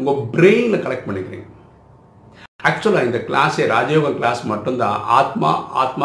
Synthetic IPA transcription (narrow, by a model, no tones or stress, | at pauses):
ʊŋɡɐbɾeːnlɐkɐlɛk̚ʈ̚pɐɳːɪkːɪɾḭ̃ːŋɡɐ | æk̚t͡ʃʊɐlːãːɪnd̪ɐklaːseɾaːd͡ʒɐjoːɡɐklaːsmɐʈːɯnd̪ã̰ːʔaːt̪ma̰ːaːt̪ma